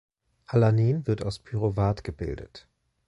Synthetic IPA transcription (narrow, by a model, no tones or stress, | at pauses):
halaniːnvɪɐtaʊspʰyʁovaːtɡ̥əbɪ̰ldə̰t